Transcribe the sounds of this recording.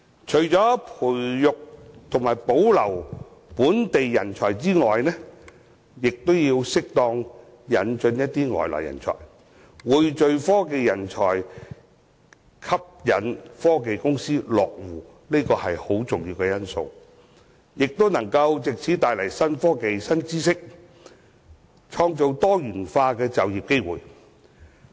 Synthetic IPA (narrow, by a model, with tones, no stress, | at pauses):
t͡ʃʰɵ˨˩ɥt͡sɔː˨˥pʰuː˨˩jːʊ˨k̚t̪ʰʊ˨˩ŋmaː˨˩jpo˨˥wlɐ˨˩w | puː˨˥nt̪e˨jːɐ˨˩nt͡ʃʰɔː˨˩jt͡siː˥ŋɔː˨jnɛ˥ | jɪ˨k̚t̪o˥wjiː˧wsɪ˥k̚t̪ɔː˧ŋ | jɐ˨nt͡ʃɵ˧njɐ˥t̚t̪iː˥ŋɔ̰ː˨˩jlɔ̰ː˨˩jɐ̰˨˩nt͡ʃʰɔ̰ː˨˩j | wuː˨˧jt͡ʃɵ˧ɥfɔː˥ke˨jːɐ˨˩nt͡ʃʰɔ̰ː˨˩j | kʰɐ˥p̚jɐ˨nfɔː˥ke˨jkʊ˥ŋsiː˥lɔː˨k̚wuː˨˩ | niː˥kɔː˧hɐ˨jho˨˥wt͡sʊ˨ŋjiː˧wkɛ˧jɐ˥nso̰˧w | jɪ˨k̚t̪o˥wnɐ˨˩ŋkɐ˧wt͡sɪ˨k̚t͡sʰiː˨˥t̪aː˨˧jlɐ˨˩jsɐ˥nfɔː˥ke˨jsɐ˥nt͡siː˥sɪ˥k̚ | t͡ʃʰɔː˧ŋt͡so˨˧wt̪ɔː˥jyː˨˩nfaː˧kɛː˧t͡sɐ˨wjiː˨p̚ke˥jwuː˨˩j